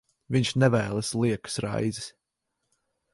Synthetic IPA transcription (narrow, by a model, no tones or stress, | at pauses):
viɲʃnɛvæːlˠəslˠiɛkɨ̥sɾa̰j̪zis